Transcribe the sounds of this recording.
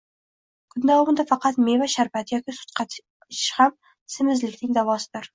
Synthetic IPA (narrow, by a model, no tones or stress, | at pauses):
kʰʊd̪ːɒwʁʊnd̪afɑqɑt̪mevaʃaɾpat̪jɒkʲɪsʊ̥t̪̚qʰɑ | ɪ̥ʃham | sɪmɪzlɪkʲnɪŋd̪avɒsɪd̪ɪɾ